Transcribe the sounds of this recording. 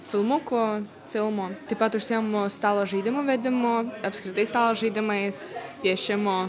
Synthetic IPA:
fʲɪlˠmʊko | fʲɪlˠmot̪ɐpɐt̪ʊʃsʲɛmost̪ɑːlˠɐʒɨɪd̪ʲɪmoʋʲɛd̪ʲɪmoɐpskɾʲɪt̪ɐɪst̪ɑːlˠɐʒɨɪd̪ʲɪmɐɪsʲpʲiɛʃʲɛmo

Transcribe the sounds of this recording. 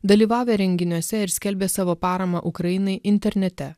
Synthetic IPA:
d̪ɐlʲiːʋɑːʋʲeːɾʲɛŋʲɡʲɪnʲuɔsʲɛɪɾsʲkʲɛlʲbʲeːsɑːʋoːpɑːɾɐmɐʔʊkɾɐjɪnɐɪʔɪnʲt̪ʲɛɾʲnʲɛt̪ʲɛ

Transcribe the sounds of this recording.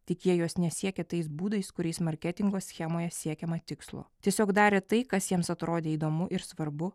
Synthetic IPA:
t̪ʲɪkjʲiɛjoːsnʲɛsʲiɛkʲɛːt̪ɐɪsbuːd̪ɐɪskʊɾʲɛɪsmɐɾʲkʲɛt̪ʲɪŋɡoːsʲxʲɛmoːjɛsʲiɛkʲɛmɐt̪ʲɪkslˠo̰ːtʲiɛsʲoːkd̪ɑːɾʲeːt̪ɐɪkɐsjiɛmsɐt̪ɾoːd̪ʲeːiːd̪oːmʊʔɪɾsʋɐɾbʊ

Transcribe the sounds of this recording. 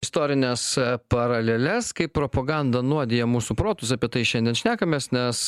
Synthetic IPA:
ɪst̪oːɾʲɪnʲɛspɐɾɐlʲeːlʲɛskɐɪppɾoːpɐɡɑnd̪ɐnuɔd̪ʲeːjɛmuːsuːpɾoːt̪ʊsɐpʲiɛt̪ɐɪʃʲɛnd̪ʲiɛnʃʲnʲæːkɐmʲeːsnʲɛs

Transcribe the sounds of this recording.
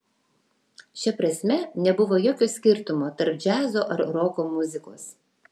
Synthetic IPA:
ʃʲɛpɾɐsʲmʲɛnʲɛbʊʋoːjoːkʲoːsʲkʲɪɾt̪ʊmoːt̪ɐɾp̚d͡ʒʲæːzoːʔɐɾɾoːkoːmʊzʲɪko̰ːs

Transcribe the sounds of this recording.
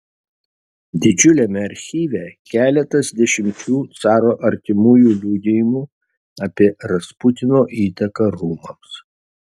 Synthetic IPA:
d̪ʲɪd͡ʒʲʊlʲɛmʲɛɐɾʲxʲiːʋʲɛkʲæːlʲɛt̪ɐsd̪ʲɛʃʲɪmʲt͡ʃʲuːt̪sɑːɾoːʔɐɾʲt̪ʲɪmuːjuːlʲuːd̪ʲɪjɪmuː | ɐːpʲiɛɾɐspʊt̪ʲɪnoːʔiːt̪ɐkɐɾuːmɐms

